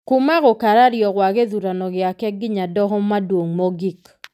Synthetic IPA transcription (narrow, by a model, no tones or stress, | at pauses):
kʊmaɣɔkaɾaɾjɔwaɡeðuɾanɔɡɪakɛk̚ɡɪɲadɔɦɔmadwoŋmɔɡik